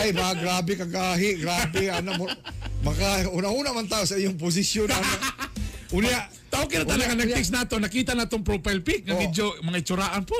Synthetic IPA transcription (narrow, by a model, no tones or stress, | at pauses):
ajbaɡɾaːbɪkaɡaːɦɪɡɾaːbɪanammɐkauːnahuːnamant̪aːʔosaijʊŋp̬ʊs̬ɪsjonaa | ʊna | t̪aʔokɪnat̪alaɡanɐɡ̪̚ɛksnaːt̪onɐkiːt̪anaːt̪oŋpɾopajlpɪk̚ŋaɡɪd͡ʒomɐŋaɪt͡ʃʊɾaːʔanpo